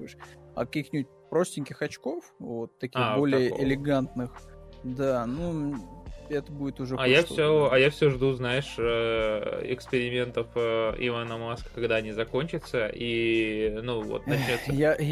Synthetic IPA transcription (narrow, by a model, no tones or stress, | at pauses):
ʂɐ̰kɐkʲixnʲɪbut̚ʲpɾosʲtʲɪnʲkʲɪxɐt͡ɕkofvo̞t̪ːɐkʲixbo̞lʲɪjəʔɪlʲɪɡant̪nɨxd̪anu | ɛt̪əbudʲɪt̪ʊʐɛajaffsʲoɐjafsʲoʐd̪uznaɪʂə | ɪ̰kspʲɪɾʲɪmʲe̞nt̪əfɪ̰vanəmaskə̥kɐɡd̪aɐnʲizɐko̞nʲt͡ɕɪt̪səʔi | nuvo̰t̪nɐt͡ɕnʲo̞t̪səa